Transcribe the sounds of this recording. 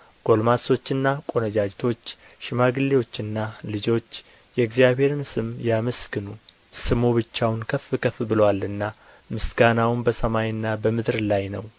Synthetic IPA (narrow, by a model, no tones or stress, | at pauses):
ɡ̥o̞lmaso̞t͡ʃːɨnːakʼo̞nəd͡ʒad͡ʒt̪ʰo̞t͡ʃː | ʃɪmaɡɨlːewo̞t͡ʃːɨnːalɨd͡ʒo̞t͡ʃː | jɛɡzijaβhe̞ɾɨnsɨmjaməsɡɨnu | sɨmo̞βɨt͡ʃːawʊnkʰəfːɨkʰəfbɨlwalɨnːa | mɨsɡanawnbəsəmajɨnːabəmɨd̪ɾlajnəw